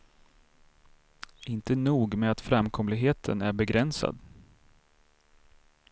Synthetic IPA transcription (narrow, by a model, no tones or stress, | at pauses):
ɪnt̪ənuːɡmɛat̪fɾamkʰɔmlɪɡɦeːt̪ʰə̰næɾbɛɡɾɛnsa̰d̪